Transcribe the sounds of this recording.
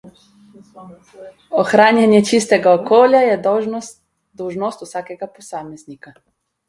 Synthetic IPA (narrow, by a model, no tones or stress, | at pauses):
oxɾaːnjanjɛt͡ʃist̪ɛɡaokoːljajɛ | d̪ɔwʒnɔst̪usaːkɛɡaposaːmɛznika